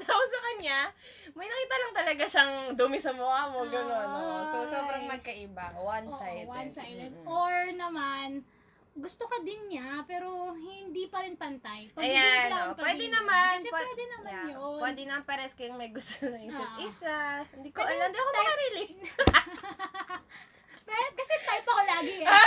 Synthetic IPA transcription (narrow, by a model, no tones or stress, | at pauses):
sɐkʔusɐkɐnɲa | mɐjnɐkiːt̪ɐlɐŋt̪ɐlɐɡaʃaŋd̪umɪsɐmʊʔaːmoɡɐnonoosoːbɾɐŋmɐɡ̚kɐʔɪbawansajwsajoɹnɐman | ɡʊst̪okɐd̪ɪnɲapɛːɾohɪnd̪ipɐɾɪnpɐnt̪ɐjpɐajanoʔpwɛːd̪ɛnɐmanpwwɛd̪ɛnɐmajaopwɛːd̪ɛnɐmanpɛɾɛskɐjʊŋmɐjɡʊst̪onɐisɐʔɪsahɪnd̪ikoʔɐlɪnd̪iʔɐkomɐkɐɾilit̪ | mɛkɐsɛt̪ajpɐkolaːɡɪɡ